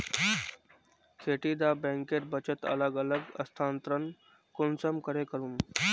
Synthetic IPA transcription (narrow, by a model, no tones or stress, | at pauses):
kʰeʈiːd̪abɛ̃ŋkeɾbət͡ɕət̪ə̰ləɡələɡə̰st̪ʰant̪ɾən | konsəmkəɾekəɾuːm